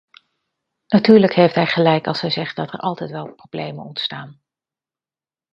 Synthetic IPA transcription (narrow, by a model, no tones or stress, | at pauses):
natyːɹləkɦejftɦɛjχəlɛjkɑ̰lˠshɛjzɛχt̚dɑtɛ̰ɹʔɑlˠtɛjtʋɛlˠprowblejmə̰nɔntstaːn